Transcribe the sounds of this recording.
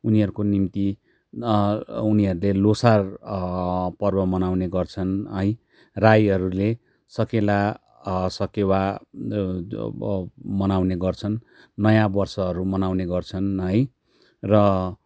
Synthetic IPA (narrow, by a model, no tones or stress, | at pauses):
uniɦʌɾukonimt̪i | uniɦʌɾulelosar | pʌrbʌmʌnawneɡʌrt͡sʰʌnɦʌj | rajɦʌɾule | sʌkela | sʌkewa | mʌnawneɡʌrt͡sʰʌnː | ʌjãbʌrsʌɦʌɾumʌnawneɡʌrt͡sʰʌnɦʌj | rʌ